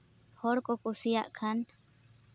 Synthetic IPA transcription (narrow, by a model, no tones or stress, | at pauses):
hoɽkokusiaʔkʰan